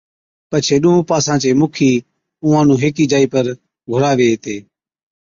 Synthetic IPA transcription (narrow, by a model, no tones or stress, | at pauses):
pət͡ʃʰeːɗũũːpaːsãːt͡ʃeːmʊkʰiː | ʊ̃ːãːnũːɦeːkiːd͡ʒaːiːpəɾ | ɡʱʊɾaːʋeːt̪eː